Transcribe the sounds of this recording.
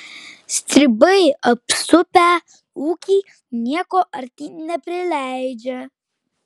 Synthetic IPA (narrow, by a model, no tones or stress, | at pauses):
st̪ɾʲibəjɐpsʊpʲæ | uːkʲi | nʲiɛkɔʔɐɾt̪inɛpʲɾɪlʲæjd͡ʒɛ